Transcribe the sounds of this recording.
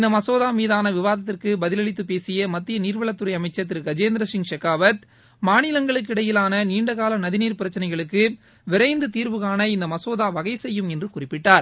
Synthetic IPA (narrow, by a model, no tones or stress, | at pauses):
ɪnd̪ɐmɐsoːðaːmiːðaːnɐʋɪʋaːðɐt̪̬ːɪrkɯbɐðɪlɐɭɪt̪ːɯpeːsɪjɐmɐt̪ːɪjɐniːɾʋɐɭɐt̪ːɯɾɐɪɐmɐɪt͡ʃːɐt̪ːɪɾɯɡɐd͡ʒeːnd̪ɾɐsɪŋʂɐkːaːʋɐt̪ | maːnɪlɐŋɡɐɭɯk̬ːɪɽɐjɪlaːnɐniːɳɖɐɣaːlɐnɐðɪniːɾpɪɾɐt͡ʃːɐnɐɪɣɐɭɯkːɯ | ʋɪɾɐɪnd̪ɯt̪iːɾʋɯɣaːnɐɪnd̪ɐmɐsoːðaːʋɐɣɐɪsɛjːɯmɛndrɯkʊrɪpːɪʈːaːɾ